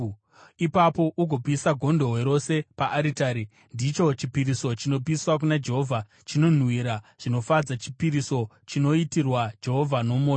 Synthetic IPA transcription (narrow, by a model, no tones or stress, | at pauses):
ipapo̞ʔuɡʱo̞pisaɡʱo̞ndo̞ɦwe̞ɾo̞se̞paʔaɾitaːɾi | ndit͡ʃo̞t͡ʃipiɾiso̞t͡ʃino̞p̬iswak̬unad͡ʒe̞ɦo̞vʱa | t͡ʃino̞n̤wiɾaʐ̥ino̞fad͡zat͡ʃi̥piɾiso̞ | t͡ʃino̞itirwad͡ʒe̞ɦo̞vʱano̞moːo